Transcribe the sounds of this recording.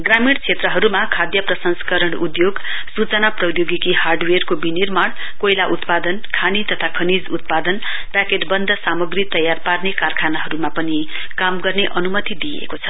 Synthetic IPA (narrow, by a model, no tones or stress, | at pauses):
ɡramiɽt͡sʰet̪rʌɦʌɾumakʰad̪jʌprʌsʌnskʌɾʌɽud̪joɡ | sut͡sʌnaprʌjoɡikiɦarɖwerkobinirmaɽ | kojlaʔut̪pad̪ʌnkʰanit̪ʌt̪ʰakʰʌnid͡zut̪̚pad̪ʌn | ʈakeʈbʌnd̪ʱʌsamʌɡrit̪ʌjːarparnekarkʰanaɦʌɾumapʌni | kamɡʌrneʔʌnumʌt̪id̪ijḛkot͡sʰʌ̥